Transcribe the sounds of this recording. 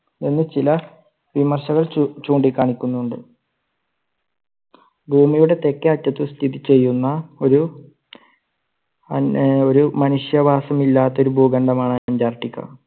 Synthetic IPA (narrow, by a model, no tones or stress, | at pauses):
enːɨt͡ɕilɐ | ʋimɐrɕɐɣɐɭt͡ɕuːɳɖikʲːaːɳikʲːunːuɳɖɨ | bʱuːmijuɽe̞t̪e̞kːɐɐtːɐt̪ːɨst̪ʰiðit͡ɕːe̞jːunːɐo̞ɾu | oɾumɐnuʂjɐbʱaːsɐmilːaːt̪ːɐo̞ɾubʱuːɡɐɳɖɐmaːɳɨɐɲd͡ʑaːrʈːikʲːɐ̰